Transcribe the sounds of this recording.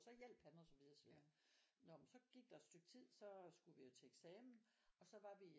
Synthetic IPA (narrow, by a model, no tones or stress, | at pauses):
sɒ̽jel̰b̥hænɒsɒʋiðˠɐsɒʋiðˠnɒmnsɒ̽ɡ̥iɡ̥̚d̥ɑed̥sd̥øɡ̥̚t͡sʰið̰ˠsɒ̽sɡ̥uʋijo̝t͡sʰe̝eɡ̥sɛːmn̩ | ɒ̽sɒ̽ʋɑ̈ʋi